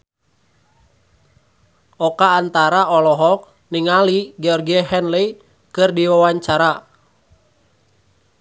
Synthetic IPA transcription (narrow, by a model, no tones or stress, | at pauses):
ɔkaːnt̪aɾaʔɔlɔɦɔk̚ | niŋaliɡɛɔrɡiaɦɛnlɛi | kɨrdiwawaɲt͡ʃaɾa